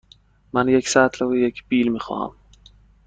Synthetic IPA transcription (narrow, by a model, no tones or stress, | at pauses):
manjeksaːt̪lawejekbiːlmixɑ̰ːa̰m